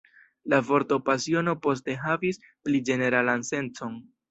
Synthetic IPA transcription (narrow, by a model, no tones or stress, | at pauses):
lavo̞ɾto̞pasio̞no̞po̞s̬te̞ɦavis | plid͡ʒe̞ne̞ɾalanse̞nt͡so̞n